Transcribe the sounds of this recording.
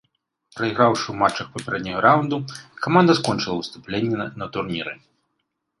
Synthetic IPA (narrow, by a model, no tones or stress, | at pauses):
pɾɐiɣɾawʂɨwmat͡ʂːɐxpɐpʲɛɾɛd̪ʲnʲɔɣɐɾawund̪ukamand̪ɐskɔnʲt͡ʂɨlˠɐwst̪uplʲenʲːɛnɐt̪urnʲiɾɨ